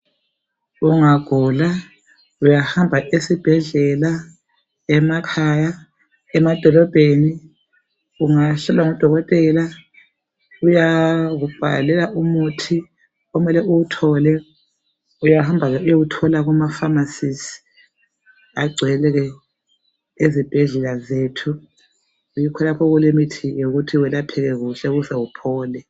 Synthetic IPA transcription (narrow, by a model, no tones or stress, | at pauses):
uŋaɡ̥ʱɔla | ujahambʱaʔesib̥ʱɛɮɛla | ɛmakʰaːja | ɛmad̥ʱɔlɔb̥ʱeni | uŋaɬɛlwaŋɔd̥ʱɔɣɔtʼɛla | ujaɣub̥ʱa̰lɛlaʔumutʰi | ɔmɛlɛʔuwutʰɔlɛ | ujahambʱaɣɛujoɣutʰɔlaɣumafamasisi̥ | aɡ͡ǀʱwɛlɛɣɛ | ezib̥ʱɛɮɛlazetʰu | ujikʰɔlapʰɔɣulimitʰijoɣutʰiwɛlapʰɛɣɛɣuɬɛɣuzɛwupʰɔːlɛ